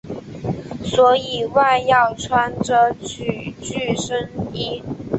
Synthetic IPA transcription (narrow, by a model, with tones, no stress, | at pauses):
swɔ˧˥i˨˩wa˥˧ɪjɑ˥˩ʊʈ͡ʂʰwa˧˥nʈ͡ʂə˧˥t͡ɕʰy˨˩t͡ɕy˥˩ʂə˥ni˥